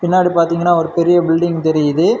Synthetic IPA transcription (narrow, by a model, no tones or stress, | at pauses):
pɪnːaːɽipaːɾt̪iːŋɡɐnːaːɔɾɯpɛɾɪjɐbɪlɖɪŋt̪ɛɾɪjðɯ